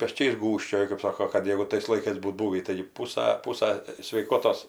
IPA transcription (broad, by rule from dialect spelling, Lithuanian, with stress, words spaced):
pʲɛˈt͡ʃʲɛɪs ˈɡuːʃʲt͡ʃʲoːjʊ kɜp ˈsoːkoː kɐt ˈjæːɡʊ tɐɪs lˠɐɪˈkɐɪs ˈbuːt ˈbuːʋʲiː tɐɪ ˈpuːsɐ ˈpuːsɐ sʲʋʲɛɪˈkoːtoːs